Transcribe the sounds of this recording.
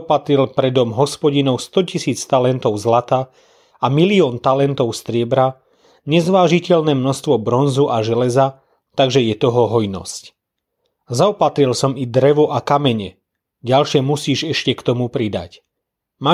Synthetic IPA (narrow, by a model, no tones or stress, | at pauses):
pat̪ɾilpɾɛd̪ɔmɦɔspɔɟinɔʊst̪ɔcisiːt͡st̪alɛnt̪ɔʊzlat̪aː | amiliɔːnt̪alɛnt̪ɔʊst̪ɾɪɛbɾa | ɲɛzʋaːʒicɛlnɛːmnɔst̪ʋɔbɾɔnzuʔaʒɛlɛza | t̪aɡʒɛjɛt̪ɔɦɔɦɔjnɔ̰sc | zaɔpat̪ɾilsɔmid̪ɾɛʋɔʔakamɛɲɛ̰ | ɟalʃɛmusiːʒɛʃcɛkt̪ɔmupɾid̪a̰c | ma